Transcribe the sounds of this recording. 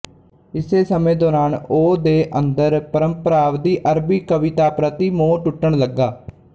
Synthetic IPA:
ɪseːsəmẽːd̪ɔːɾaːnoːd̪eːʔənd̪əɾpəɾəmpəɾaːʋd̪iːʔəɾbiːkəʋɪt̪aːpɾət̪iːmoːʈʊʈːəɳləɡːaː

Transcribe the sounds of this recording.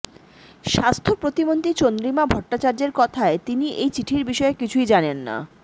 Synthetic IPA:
ʃast̪ʰopɾot̪imont̪it͡ɕond̪ɾimabʱɔʈːat͡ɕaɾd͡ʑeɾkɔt̪ʰaet̪iniʔejt͡ɕiʈʰiɾbiʃɔekit͡ɕʰujd͡ʑanenːa̰

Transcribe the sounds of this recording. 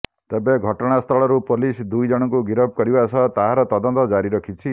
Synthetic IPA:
t̪ebeɡʱɔʈɔɽ̃ast̪ʰɔɭɔɾupolisd̪ujd͡ʒɔɽ̃ɔŋkuɡiɾɔb̚ʱkɔɾibasɔt̪aɦaɾɔt̪ɔd̪ɔnt̪ɔd͡ʒaɾiɾɔkʰit͡ʃʰi

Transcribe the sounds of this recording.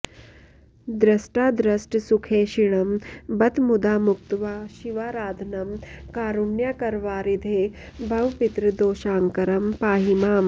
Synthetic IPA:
d̪ɾɐsʈaːd̪ɾɐsʈsukʰeːʃiɽɐmbɐt̪mud̪aːmuk̚t̪ʋaːʃiʋaːɾaːd̪ʱɐnɐmkaːɾunjakɐɾʋaːɾid̪ʱeː | bʱɐʋpit̪ɾəd̪oːʃaːŋkɐɾɐmpaːɦimaːm

